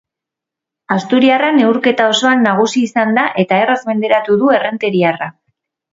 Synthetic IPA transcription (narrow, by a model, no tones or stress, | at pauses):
ast̪uɾiarane̞uɾke̞t̪ao̞so̞anːaɣ̞usiːsand̪aʔe̞t̪ae̞razme̞nd̪e̞ɾat̪uðue̞re̞nt̪e̞ɾiara